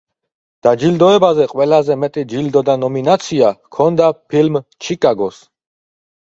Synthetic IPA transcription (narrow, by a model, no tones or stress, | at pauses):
d̪̥ad͡ʒild̪ɔɛbazɛqʼwɛlazɛmɛt̪ʼid͡ʒild̪ɔd̪anɔminat̪sʰiakʰɔnd̪apʰilmt͡ʃʰikʼaɡɔs